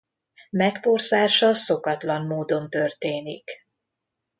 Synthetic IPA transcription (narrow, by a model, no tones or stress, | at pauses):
mɛkpo̞rzaːʃɒso̞kɒt̪lɒnmoːd̪o̞nt̪ø̞rt̪eːnik